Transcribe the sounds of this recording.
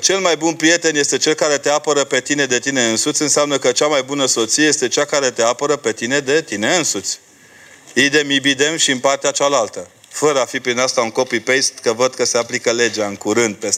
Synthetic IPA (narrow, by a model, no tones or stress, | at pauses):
t͡ʃe̞lmajbunpɾije̞t̪e̞nje̞st̪e̞t͡ʃe̞lkaɾe̞t̪e̞apəɾəpe̞t̪ine̞d̪e̞t̪ine̞ɨnsut̪sʲɨnseamnəkət͡ʃamajbunəso̞t̪sijeest̪e̞t͡ʃakaɾe̞t̪e̞apəɾəpe̞t̪ine̞d̪e̞t̪ine̞ɨnsut̪sʲ | id̪e̞mibid̪e̞mʃiɨnpart̪eat͡ʃalalt̪ə | fəɾəafipɾinast̪auŋko̞pipejst̪kəvəd̪̚kəse̞aplikəle̞d͡ʒaɨŋkuɾɨnd̪̚pes